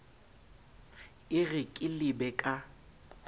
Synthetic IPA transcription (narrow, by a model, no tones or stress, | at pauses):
ɪɣɪkʼɪlɪbɛkʼa